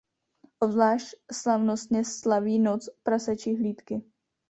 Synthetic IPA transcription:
ʔobzlaːʃcslavnost̪ɲɛslaviːnot͡spɾasat͡ʃiɦliːt̪kɪ

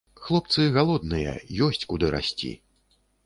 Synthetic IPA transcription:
xlˠɔp̚t̪sɨɣalˠɔd̪nɨjɛ̰jɔsʲt͡sʲkud̪ɨɾa̰sʲt͡sʲḭ

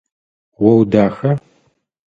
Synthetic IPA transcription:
wɐwdaːxɐ

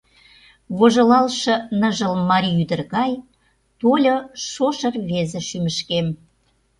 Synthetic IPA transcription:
βoʒolɑlʃɤ̆nəʒə̆lmɑɾʲiyd̪ə̆rɣɑj | t̪olʲoʃoʃə̆rβezĕʃymə̆ʃkem

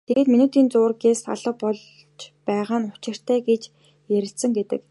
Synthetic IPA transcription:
t̪ʰeɣeːt̪minut̪ʰiːnt͡sʊːrɡeːsʰa̰ɮə̆q̚pɔɮ | t͡ɕpæːʁaːnʊ̥t͡ɕɪ̆r̥t̪ʰæːɡet͡ɕ | jæɾʲɪ̆ɬt̪sɘ̆ŋɡet̪ɘ̰̆k

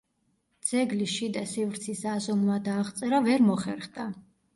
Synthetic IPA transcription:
d̪z̥ɛɡliʃid̪asivɾt̪sʰisazɔnmad̪aːʁt̪sʼɛɾavɛɾmɔχɛɾχd̪a

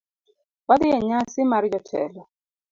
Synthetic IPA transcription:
wad̪ɪɛɲasɪmaɾɪd͡ʒɔtʰɛ̰lɔ

